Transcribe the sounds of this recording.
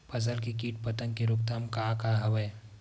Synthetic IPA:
pɐzəlkekiːʈpɐt̪ənkeɾʊk̚t̪amkakaɦɐʋəj

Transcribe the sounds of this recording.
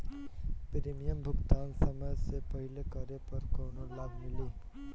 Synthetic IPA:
pɾeːmijəmbʱʊkt̪aːnsəməjsepəɦɪlekəɾepɐɾkoːnolaːbmɪliː

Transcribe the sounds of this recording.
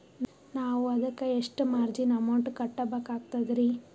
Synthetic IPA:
naːʋuɐd̪ɐkːeeʂʈumaːɾd͡ʒinɐmːoɳʈukɐʈːɐbɐkaːɡ̚t̪ɐd̪ɾi

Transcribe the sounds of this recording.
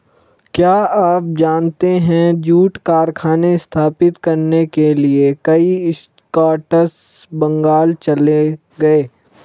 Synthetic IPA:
kjaːaːp̚d͡ʒaːnt̪eɦɛ̃d͡ʒuːʈkaːɾkʰaːneɪst̪ʰaːpɪt̪kɐɾnekeliekɐiɪs | kaːʈəs | bɐ̃ŋɡaːlt͡ʃɐle | ɡɐeː

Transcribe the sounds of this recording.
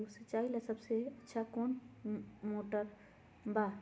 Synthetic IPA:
set͡ʃaːilasɐbseɐtːʃʰakoːn | moːʈəɾ | baː

